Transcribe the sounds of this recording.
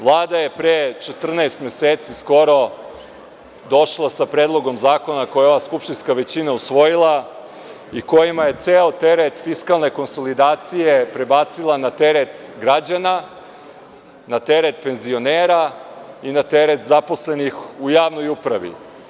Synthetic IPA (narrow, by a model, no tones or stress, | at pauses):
ʋlˠaːd̪aje̞pɾet͡ʃet̪r̩naest̪meseːt̪sisko̞ɾo̞ | d̪o̞ʃlˠasapɾeːd̪lˠo̞ɡo̞mzaːko̞nako̞jeo̞ʋaskupʃt̪inskaʋe̞t͡ɕinausʋo̞jilˠa | iko̞jimaje̞t̪seːot̪e̞ɾet̪fiskalˠne̞ko̞nso̞lid̪aːt̪sije̞pɾebaːt̪silˠanat̪eɾet̪ɡɾad͡ʑana | nat̪eɾet̪̚pe̞nzio̞neːɾainat̪eɾet̪zaposlenixujaːʋno̞jupɾaʋḭ